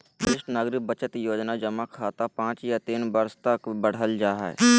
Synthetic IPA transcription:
bɪʃʈnaːɡɾɪk̚bət͡ʃət̪joːd͡ʒnad͡ʒəmakʰaːt̪apãːt͡ʃjat̪iːnbəɾst̪əkbəɽ̤əld͡ʒaːɦɛ̰

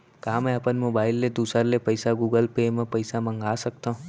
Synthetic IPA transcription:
kaːmɛ̃ɐpənmoːbaːɪlːed̪uːsəɾlepɐɪsaɡuːɡəlpeːmẽpɐɪsamɐ̃ŋɡaːsɐk̚t̪aɦũ

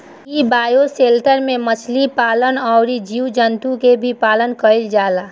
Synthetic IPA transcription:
ibaːjoseːlʈəɾmẽmət͡ʃʰlipaːlənɔʊɾid͡ʒiːwd͡ʒənt̪ukebʱipaːlənkəɪld͡ʒaːlaː

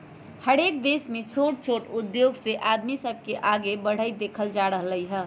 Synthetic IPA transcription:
həɾek̚d̪esmẽt͡ʃʰoʈ̚t͡ʃʰoʈud̪joɡseʔad̪misəb̚ʱkeʔaɡebəɽ̤əjd̪ekʰəld͡ʒaɾəɦləjɦə

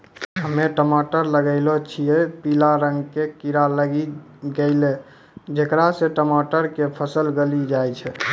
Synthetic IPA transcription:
ɦəmeʈəmaʈəɾləɡəɪlot͡ʃʰijɛpilaɾəŋɡkekiɾaləɡi | ɡeɪle | d͡ʒekɾaseʈəmaʈəɾkepʰəsəlɡəlid͡ʒajt͡ʃʰɛ

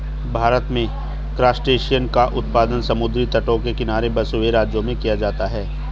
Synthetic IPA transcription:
bʱaːɾət̪mẽ | kɾaːsʈeːʃijənkaʔʊt̪̚paːd̪ənsɐmʊd̪ɾit̪ɐʈokekɪnaːɾebɐsoʋeɾaːd͡ʒjõmẽkijad͡ʒaːt̪aɦɛː

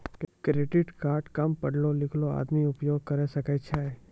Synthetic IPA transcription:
kɾeːɖɪʈkaːɾʈkɐmpɐɽlolɪkʰloa̰ːd̪miʊpjoːɡ̚kɐɾesɐkət͡ʃʰaːɦɛ

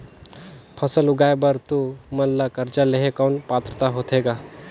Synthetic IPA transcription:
pʰəsəlʊɡaːebəɾt̪umɐnlːakɐɾt͡ʃaleɦekaːnpaːt̪ɾət̪aɦoːt̪ɦeːɡaː

